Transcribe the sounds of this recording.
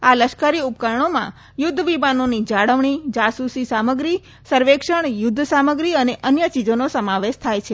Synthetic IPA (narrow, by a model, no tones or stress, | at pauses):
aləʃkaɾiup̚kaɾɳomã̰ | jʊd̪ʱːəʋibanonid͡ʒaɽəʋɳid͡ʒasusisaməɡɾi | səɾʋekʃəɳ̃jʊd̪ʱːsaməɡɾiəneʔənjət͡ʃid͡ʒonosəmaʋeʃt̪ʰajt͡ʃʰe